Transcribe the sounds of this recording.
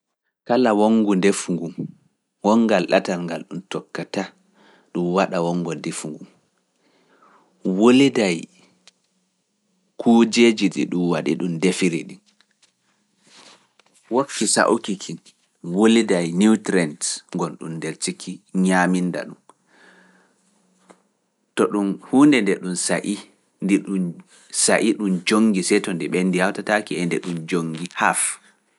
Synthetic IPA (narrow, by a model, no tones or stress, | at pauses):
kalawoŋɡundefuŋɡum | wɔŋɡalɗa̰talŋɡalɗumtɔkːata | ɗumwaɗawɔŋɡɔndefuŋɡum | wolidaj | kʰuːd͡ʒed͡ʒiɗḭɗumwaɗḭɗumdefiɾiɗin | wokːisa̰ʔukikʰin | wolidajnutɾɛntŋɡɔnɗṵndeɾtikʰiɲaːminda̰ɗum | tɔɗunhuːndɛndɛɗunsaʔi | ndiɗun | saʔiɗumd͡ʒoŋɡisɛjtɔndɛɓɛndihawtatakiɛndɛɗumd͡ʒoŋɡihaf